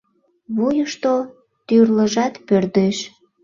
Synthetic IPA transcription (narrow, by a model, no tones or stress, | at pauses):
βujəʃt̪o | t̪yrləʒɑt̪pørd̪eʃ